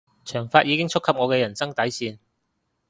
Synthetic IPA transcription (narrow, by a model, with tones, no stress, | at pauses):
t͡ʃʰœː˨˩ŋfaː˧t̚jiː˨˧kɪ˥ŋt͡sʰʊ˥kʰɐ˨p̚ŋɔː˨˧kɛː˧jɐ˨˩nsɐ˥ŋt̪ɐ˨˥jsiː˧n